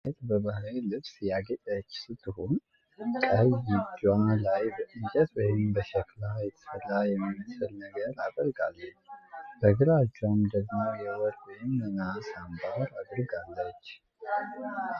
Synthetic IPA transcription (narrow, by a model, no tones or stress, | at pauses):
et̪bəβahɾelɨβsjaɡət͡ʃʼət͡ʃːsɨt̪ʰːɨhon | kʼəjɪd͡ʒalajbəʔɨɲkʼət̪wɔjɪmbəʃɛklajɛt̪ʰə̥fəlajɛmːiməsɨlnəɡəɾad̪əɾɡalː | b̥əɡɨɾat͡ʃːɛmd̪əɡmowjɛwɔɾwɔjɪmːənasambahɾad̪ɨɾɡalːət͡ʃː